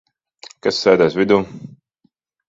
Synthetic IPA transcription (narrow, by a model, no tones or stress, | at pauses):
kasːɛːd̪aːsvʲid̪uː